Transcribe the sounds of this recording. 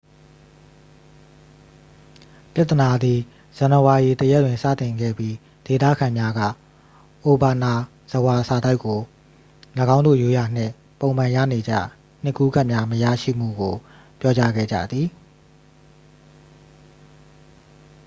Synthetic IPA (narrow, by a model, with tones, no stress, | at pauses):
pja˦ʔt̪ːə˨na˨d̪i˨ | z̥ã˨nə˨wa˨ʔi˨t̪əjɛ˦ʔtwɪ̃˨nsä̰˦˨t̪ɪ̃˨ŋɡɛ̰˦˨bji˦ | d̥e˨t̪ä̰˦˨kʰã˨mja˦ɡä̰˦˨ | ʔo˨ba˨na˨ | z̥əwa˨sa˨da˦ɪkːo˨ | ləɡã˦ʊ̃nd̪o̰˦˨jo˦ja˨n̥ɪ̰̃˦˨ | põ˨ʊ̃m̥ã˨jä̰˦˨ne˨d͡ʑä̰˦˨ | n̥ɪ˦ʔkːu˦ɡa˦ʔmja˦məja̰˦˨ʃḭ˦˨m̥ṵ˦˨ɡo˨ | pjɔ˦t͡ɕa˦ɡɛ̰˦˨d͡ʑä̰˦˨d̪ði˨